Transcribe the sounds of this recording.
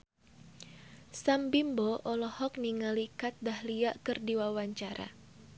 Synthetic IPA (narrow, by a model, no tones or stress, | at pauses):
sambimbɔʔɔlɔhɔk̚niŋalikat̪̚dahliaʔkɨrdiwawaɲt͡ʃaɾa̰